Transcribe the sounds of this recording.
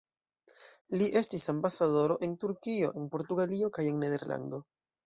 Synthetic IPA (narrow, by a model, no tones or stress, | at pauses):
liʔe̞stisambasaðo̞ɾo̞ʔe̞ntuɾkio̞̰ʔe̞npo̞ɾtuɡalio̞kaje̞ŋne̞de̞ɾla̰nd̪o̞